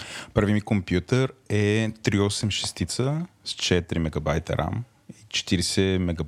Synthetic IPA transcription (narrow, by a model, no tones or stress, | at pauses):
pɾɐvimikompjut̪əɾɛt̪ɾiɔsɛmʃɛ̥st̪it̪səst͡ʃɛt̪ɾimɛɡɐbajt̪ɐ̰ɾʔa̰m | it͡ʃɛ̥t̪iɾɛsɛmɛɡɐ